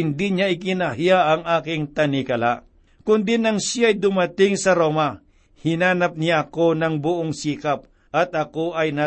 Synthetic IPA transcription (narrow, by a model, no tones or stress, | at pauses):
ɪnd̪iɲaʔɪkɪnahɪjaʔɐŋaːkɪŋt̪ɐnɪkɐla̰ | kʊnd̪inɐŋsjaɐjd̪ʊmɐt̪ɪŋsɐɾo̞ːmɐ | hɪnaːnɐp̚nɪjaɐko̞nɐŋbʊʔoŋsiːkɐp̚ | ʔɐt̪ɐko̞ʔɐjna